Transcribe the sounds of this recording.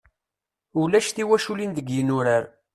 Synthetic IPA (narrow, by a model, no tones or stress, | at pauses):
ulæʃθiwæʃulinðəɡjənuɾaɾ